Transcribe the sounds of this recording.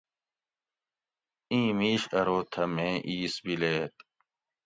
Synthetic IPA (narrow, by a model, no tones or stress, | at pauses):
ĩːmiːɕɐɾoːt̪ʰɐmẽːʔiːsbileːt̪